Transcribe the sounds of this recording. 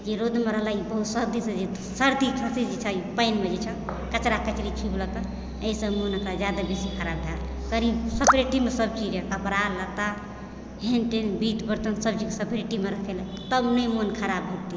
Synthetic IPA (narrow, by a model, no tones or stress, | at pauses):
d͡ʒeɾod̪ʱmeɾəɦlaibəɦut̪səɾd̪isəd͡ʒe | səɾd̪ikʰasid͡ʒet͡ʃʰəipəɪnmed͡ʒet͡ʃʰəkət͡ʃɾakət͡ʃɾit͡ʃʰibləkə | əisə̃monəkɾad͡ʒjad̪abesikʰəɾab̚d̪ʱaɾ | kəɾisəpɾeʈimesəb̚t͡ʃid͡ʒekəpɾalət̪a | ɦenʈenbit̪ʰbəɾt̪ənsəb̚t͡ʃiksəpʰɾeʈimeɾəkʰelə | t̪əbnəjmonkʰəɾabɦot̪i